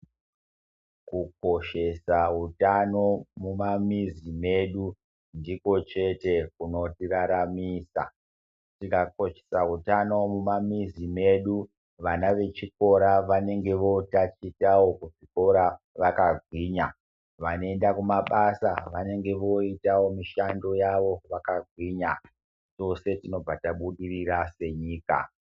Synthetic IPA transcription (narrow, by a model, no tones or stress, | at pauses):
kuk̚o̞ʃe̞saɦutano̞mumamizime̞ɗu | ndiko̞t͡ʃe̞tekuno̞tiraɾamiːsa̰ | tikako̞ʃe̥sautano̞mumamizime̞ɗu | ʋanaʋe̞t͡ʃiko̞ɾaʋane̞ŋɡe̞ʋo̞tat͡ʃitawo̞kuʐiko̞ɾa | ʋakaɡʱwiːɲa | ʋanoe̞ndakumaɓasa̰ʋane̞ŋɡe̞ʋo̞itawo̞miʃando̞jaʋo̞ʋakaɡʱwiːɲa | t͡ʃo̞se̞tino̞b͡vataɓuɗirirase̞ɲiːka̰